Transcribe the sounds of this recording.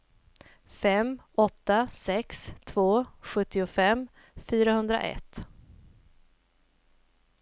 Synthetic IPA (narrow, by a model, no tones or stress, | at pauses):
fɛmɔt̪ːasɛkst̪ʰvoːɧɵt̪ːɪʊfɛmː | fyːɾahɵnd̪ɾa̰ʔɛ̰t̪ː